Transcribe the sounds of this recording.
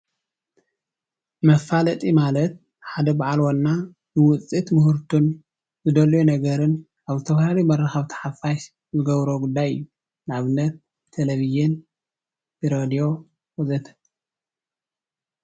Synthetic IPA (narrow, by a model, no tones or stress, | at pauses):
mɐfalɐt̪ʼimalɐt̪̚ | ħad̪ɐbaʕalwonːa | bɨwʊt͡sʼit̪mʊhuɾt̪ʰun | zɨd̪ɐljunɐɡɐɾɨn | ʔaβzɨt̪ʰɐfalalijmɐrːɐxɐβt̪ʰɐ̥ħafaʃ | zɨɡɐβɾoɡud̪ːajɨjːu | nɨʕaβɨnːɐt̪ʰː | elɐβizin | bɨɾod̪ijo̞ | wɐzɐt̪ʰɐ̥